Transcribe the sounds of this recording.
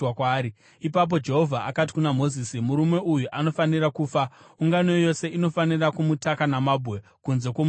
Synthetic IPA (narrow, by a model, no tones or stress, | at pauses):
kwaːɾi | ipap̬o̞d͡ʒe̞ɦo̞vʱaʔakat̬i̥kunamo̞ziːsimuɾumwe̞ʔujuʔano̞fanirakuːfauŋɡano̞jo̞se̞ino̞fanirakumutakanamaːbʱwe̞ | kunze̞kwom